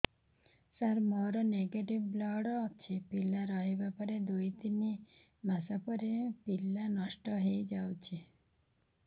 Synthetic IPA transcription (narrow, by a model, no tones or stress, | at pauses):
saɾmɔɾɔneɡeʈibːlɔɽːt͡ʃʰipilːaɾɔɦebapɔɾed̪ojt̪ini | masapɔɾepilanɔʃʈɔɦejd͡ʒawt͡ʃʰi